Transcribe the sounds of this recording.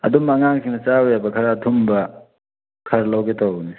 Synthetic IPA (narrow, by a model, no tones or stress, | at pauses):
ɐ̰dumaŋaŋsʰiŋnɐt͡ʃawjabɐkʰɐɾaːtʰumbɐ | kʰɐɾlawɡetʰawni